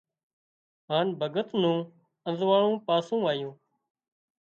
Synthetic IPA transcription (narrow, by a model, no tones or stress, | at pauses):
ɦaːnbʱəɡət̪nũː | ə̃nzʋaːɭõːpaːsũːaːjũː